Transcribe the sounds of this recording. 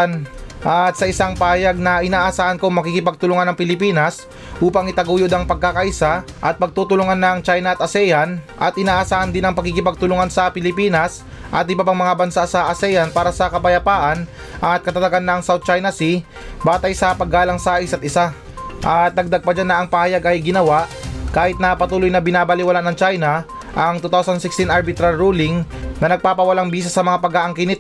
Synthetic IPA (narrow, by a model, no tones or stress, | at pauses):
nʔat̪̚sɐʔɪsaŋpaːjɐɡ̚nɐʔɪnaːʔɐsaːʔɐnkoŋmɐkiːkɪpɐɡ̚t̪ʊlʊŋanɐŋpɪlɪpiːnɐs | ʔuːpɐŋɪt̪ɐɡuːjod̪ɐŋpɐɡ̚kakaʔisa | ʔɐt̪̚pɐɡ̚t̪uːt̪ʊlʊŋanːɐŋt͡ʃajnɐʔɐt̪̚ʔɐsɛːjɐnʔɐt̪ʔɪnaːʔɐsaːʔɐnd̪ɪnɐŋpɐkikɪpɐɡ̚t̪ʊlʊŋansɐpɪlɪpiːnɐs | ʔɐt̪ʔɪbapaŋmɐŋabɐnsasɐʔɐsɛːjɐnpaːɾɐsɐkɐpɐjɐpaːʔɐn | ʔɐt̪̚kɐt̪ɐt̪ɐɡanːɐŋsawd̪̚t͡ʃajnɐsi | baːt̪ɐjsɐpɐɡaːlɐŋsaːʔɪsɐt̪ʔɪsa | ʔɐt̪̚nɐɡ̚d̪ɐɡ̚pɐd͡ʒanːɐɐŋpɐhajaɡʔɐjɡɪnɐwaʔkaːhɪt̪̚nɐpɐt̪uːlojnɐbɪnaːbɐlɪwɐlanɐŋt͡ʃajnɐ | ʔɐŋt̪ut̪awsɐnsɪkst̪inʔaɾbɪt̪ɾalɾuːlɪŋnɐnɐɡ̚paːpɐwɐlaŋbiːsɐsɐmɐŋapɐɡaʔɐŋkɪnɪt̪